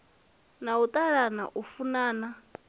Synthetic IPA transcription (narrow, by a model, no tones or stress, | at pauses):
naut̪ʼaɺana̰ʔufunaːna